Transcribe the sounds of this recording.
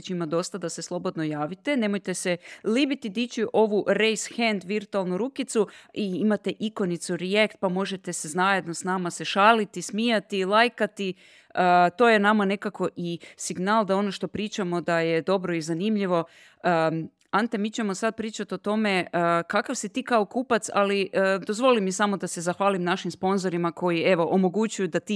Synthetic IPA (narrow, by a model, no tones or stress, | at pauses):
t͡ʃimad̪o̞st̪ad̪ase̞slˠo̞bo̞d̪no̞jaːʋit̪e̞ne̞mojt̪e̞selibit̪id̪it͡ʃiʔo̞ʋuɾejsxend̪ʋiɾt̪ualˠnuɾukit̪suiimat̪eʔiko̞nit̪suɾijekt̪̚pamo̞ʒet̪e̞seznaje̞d̪no̞snamase̞ʃaːlit̪ismijat̪ilˠajkat̪i | ət̪o̞jenamane̞kako̞ʔisiɡnaːlˠd̪ao̞noʃt̪o̞pɾiːt͡ʃamo̞d̪ajed̪o̞bɾo̞izanimʎiʋo̞ | ant̪emiːt͡ʃe̞mo̞sad̪̚pɾiːt͡ʃat̪o̞t̪o̞me̞kakaʋsit̪iːkao̞kuːpat̪sa̰liʔd̪o̞zʋolimisamo̞d̪ase̞zaxʋaːlimnaʃimspo̞nzo̞ɾimako̞jie̞ʋo̞ʔomo̞ɡut͡ɕujud̪at̪iː